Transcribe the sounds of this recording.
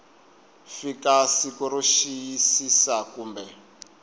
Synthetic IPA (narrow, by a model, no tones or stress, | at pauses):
fikasikuɾuʃijisisakuːmbɛ